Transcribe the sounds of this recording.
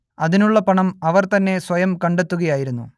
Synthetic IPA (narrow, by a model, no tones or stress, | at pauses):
ɐðinuɭːɐpɐɳɐmɐʋɐrt̪ɐnːe̞swɐjɐmkɐɳɖe̞t̪ːuɣɐjaːjiɾunːṵ